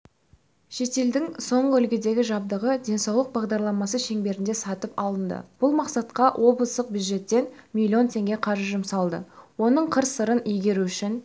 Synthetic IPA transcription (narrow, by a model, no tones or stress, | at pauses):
ʃe̞t̪e̞ld̪ɪŋso̞ɴʁəɵlɡʲɪd̪e̞ɡʲɪʒɑb̚d̪əʁəd̪ʲe̞nsɑwlˠəq̚bɑʁd̪ɑɾlˠɑmɑs̬əʃe̞ŋbe̞ɾɪnd̪e̞sɑt̪əpɑlˠənd̪ə̰b̥ʊlˠmɑqsɑt̪qɑwʔo̞blˠəst̪əq̚bjud̪ʒe̞t̪ːe̞nmʲilʲːjio̞nt̪ʰe̞ŋɡʲe̞qʰɑɾəʒʊmsɑlˠd̪ə̰wo̞nəɴqʰəɾsəɾənɵjɡʲe̞ɾuʏʃɪn